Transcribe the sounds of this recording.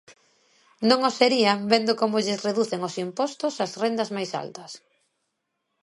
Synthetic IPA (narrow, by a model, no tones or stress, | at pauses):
nõŋoseɾiɐmbend̪ʊkomʊʎɪsreðuθeŋosimpɔst̪ʊsɐzrend̪ɐzmajsa̰lt̪ɐs